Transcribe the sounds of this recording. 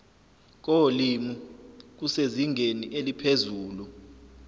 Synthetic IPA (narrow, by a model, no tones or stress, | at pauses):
k̬olimuk̬useziŋeniʔelipʰezuːlu